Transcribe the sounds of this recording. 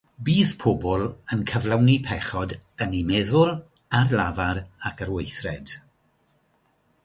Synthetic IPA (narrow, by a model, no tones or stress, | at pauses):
biːðpʰɔbɔlˠənkʰəvlˠawnipʰɛχɔdənimɛðʊlˠ | arlˠavaɾakʰərwejθrɛd̥